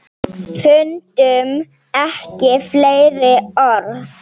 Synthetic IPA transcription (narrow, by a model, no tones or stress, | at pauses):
fʏnt̪ʏm | ɛhcɪfleːjɾɪɔɾθ